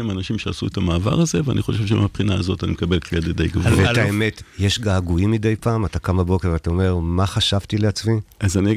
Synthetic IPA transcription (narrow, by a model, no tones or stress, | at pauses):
imanaʃimʃeasuetamaːva̰ʁaze̞vea̰niχoʃevʃ̬eḭmapχinaːzo̞tanimekabelkled̪ed̪ejɡavovet̪aeme̞tjeʃɡaːɡuimide̞jpaːmatakamabo̞kevatao̞me̞ʁmaχaʃavtileat͡sviazaniɡ